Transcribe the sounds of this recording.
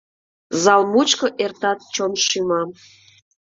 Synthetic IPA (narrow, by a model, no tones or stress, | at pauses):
zɑlˠmut͡ɕkəʔert̪ɑt̪̚t͡ɕonʃymɑm